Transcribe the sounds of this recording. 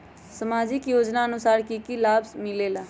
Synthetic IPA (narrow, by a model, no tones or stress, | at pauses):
səmaːd͡ʒɪkjoːd͡ʒnaənʊsaːɾkikilaːbsmɪlelaː